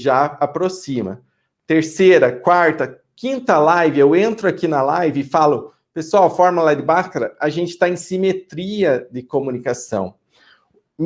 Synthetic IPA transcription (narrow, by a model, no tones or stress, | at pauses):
ʒaapɾosĩmɐ̰ | t̪eɾseɾɐkwaɾt̪ɐ | kĩnt̪ɐlajvɪewẽnt̪ɾʊakinɐlajvɪɪfalʊ | pesuawfɔɾmalad̪ɪbaskaɾɐaʒẽnt͡ʃɪ̥t̪aẽj̃simet̪ɾiɐd̪ɪkomũnikasɐ̰̃w̃